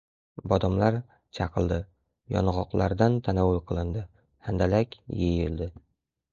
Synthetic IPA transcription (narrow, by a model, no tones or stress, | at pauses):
bɒd̪ɒmlaɾ | t͡ʃʰɑqʰɨlˠd̪ɪ | jɒ̰nʁɒqlˠʔaɾd̪ant̪ʰanawːʊlqʰɨlˠɪnd̪ɪ | hand̪alakʲjejɪld̪ɪ